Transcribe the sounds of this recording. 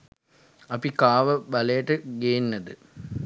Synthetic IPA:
ɐpikaːʋəbɐlɐjɐʈɨɡejinːɐd̪ɨ

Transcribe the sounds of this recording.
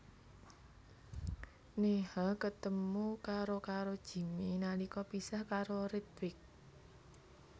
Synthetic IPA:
nehakət̪əmukaɾokaɾod̥ʒ̥i̤minalikɔpisahkaɾoɾit̪wɪk̚

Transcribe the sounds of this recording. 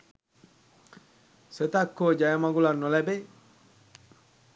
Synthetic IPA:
sət̪akːod͡ʒajamaɡulanːolɛbe

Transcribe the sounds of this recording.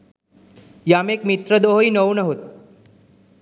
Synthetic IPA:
jamekmit̪ɾəd̪oɦoinəwnəɦot̪̚

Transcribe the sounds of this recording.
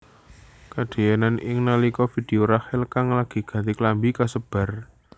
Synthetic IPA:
kad̪̥e̤jɛnanʔɪ̰ŋnalikɔfid̥eoɾahɪlkaŋlaɡ̥i̤ɡ̥ä̤t̪iklambikasəb̥a̤r

